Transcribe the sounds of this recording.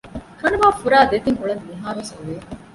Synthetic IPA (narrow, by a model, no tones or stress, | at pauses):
kɐnuʋaːfuɾaːd̪et̪iŋʔuɭɐnmiɦaːɾosɐʋeː